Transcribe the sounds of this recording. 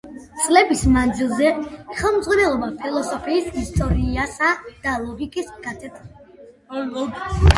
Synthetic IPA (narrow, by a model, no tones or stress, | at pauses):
t̪sʼlɛbismand̪zilˠzɛχɛlˠmd̪zʁwanɛlˠɔbapʰilˠɔsɔpʰiːsist̪ʼɔɾiasad̪̥alˠɔɡikʼisɡat̪ʰɛt̪ʰ